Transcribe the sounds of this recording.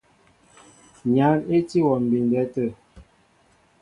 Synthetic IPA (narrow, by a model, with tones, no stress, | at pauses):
ɲa˨˦ne˦ti˦wɔ˨m̩˨bi˨n˨dɛ˦tə˦˨